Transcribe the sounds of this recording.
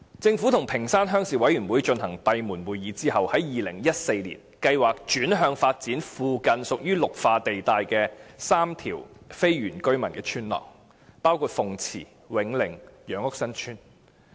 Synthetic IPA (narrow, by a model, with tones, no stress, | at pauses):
t͡sɪ˧ŋfuː˨˥t̪ʰʊ˨˩ŋpʰɪ˨˩ŋsaː˥nɦœː˥ŋsiː˨wɐ˨˥jyː˨˩nwuː˨˥jt͡ʃɵ˧nɦɐ˨˩ŋt̪ɐ˨jmuː˨˩nwuː˨jiː˨˧˥t͡siː˥hɐ˨whɐ˨˥jjiː˨lɪ˨˩ŋjɐ˥t̚se˧jlḭː˨˩nkɐ˧jwaː˨˩k̚t͡ʃyː˨˥nɦœː˧ŋfaː˧t̚t͡siː˨˥nfuː˨kɐ˧nsʊ˨k̚jyː˥lʊ˨k̚faː˧t̪e˨jt̪aː˨˧jkɛː˧saː˥mt̪ʰḭː˨˩wfe˥jɥyː˨˩nkɵ˥ɥmɐ˨˩nkɛː˧t͡ʃʰyː˥nlɔ̰ː˨˩ŋ | paː˥wkʰuː˧t̚fʊ˨ŋt͡sʰḭː˨˩ | wɪ˨˥ŋlɪ˨˩ŋjœː˨˧˥ŋʊ˥ksɐ˥nt͡ʃʰyː˥n